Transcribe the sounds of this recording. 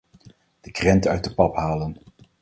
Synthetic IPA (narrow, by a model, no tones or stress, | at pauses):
d̥əkrɛntəœɥt̚dəpɑpɦaːlən